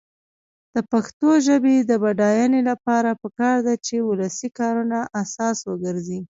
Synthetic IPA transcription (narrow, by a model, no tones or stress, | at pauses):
d̪̥əpaxt̪oʒəbed̪əbaɖɑjanelapɑɾapəkɑɾd̪at͡ʃeuləsikɑɾunaʔasɑswəɡəɾzi